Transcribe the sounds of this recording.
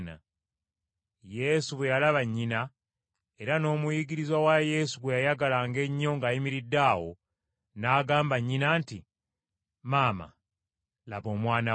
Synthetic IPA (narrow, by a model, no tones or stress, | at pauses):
na̰ | je̞suβwejalaβaɲːina | eɾano̞ːmujiɡiɾizwawaje̞suɡwejajaɡalaŋɡe̞ɲːo̞ŋɡajimiɾidːawo̰ | naːɡaːmbaɲːinaːnti | maːma̰ | lapomwaːna